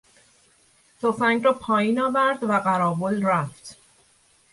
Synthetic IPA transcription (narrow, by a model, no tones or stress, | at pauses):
t̪ʰofæŋɡɾɒːpʰɒːjiːnɒːvæɾd̪væɢæɾɒːbolɾæft̪